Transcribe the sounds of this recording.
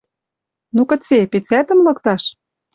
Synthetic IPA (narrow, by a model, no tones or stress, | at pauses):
nukə̆t͡sepet͡sæt̪ə̆mlɤ̆kt̪ɑʃ